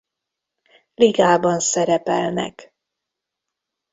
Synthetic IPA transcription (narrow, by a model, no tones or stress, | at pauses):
liɡaːbɒnsɛɾɛpɛlnɛ̰k